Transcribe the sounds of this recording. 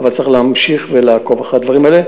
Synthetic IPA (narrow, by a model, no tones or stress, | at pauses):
valt͡sʁiχlehamʃiχvelaːko̞vaχad̪vaʁimaele